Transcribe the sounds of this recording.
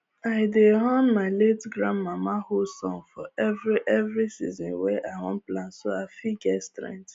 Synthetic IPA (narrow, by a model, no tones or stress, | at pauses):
aɪdeɦɔ̃nmaɪletɡɾãnmamahosɔ̰̃ŋfɔɛvɾiʔɛvɾisḭzɔ̃nweʔaɪwɔ̰̃n̩plãnsoafiɡɛtstɾɛ̰̃ŋt